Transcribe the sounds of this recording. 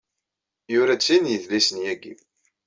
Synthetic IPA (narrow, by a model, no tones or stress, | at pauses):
jʊɾæt͡sːinjəðlisənjæɡḭ